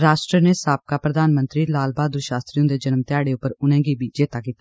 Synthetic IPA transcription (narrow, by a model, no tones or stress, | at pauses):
ɾaːʃʈɾəneːsaːp̚kaːpɾəd̪aːnmə̃nt̪ɾiːlaːlbaːd̪d̪ʊɾʃaːst̪ɾijõːd̪eːd͡ʒənmt̪ɪaːɽeːʊpːəɾʊnɛ̃ːɡiːbʱiːd͡ʒeːt̪aːkiːt̪aː